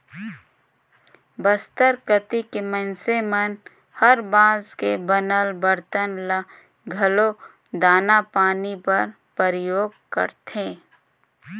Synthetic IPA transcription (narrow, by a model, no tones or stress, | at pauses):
bəst̪əɾkət̪ikemə̃nsemən | həɾbãːzkebənəlbəɾt̪ənlə | ɡʱɐlo | d̪aːnapaːnipɐɾ | pəɾɪjoːɡ̚kə̰ɾt̪ẽː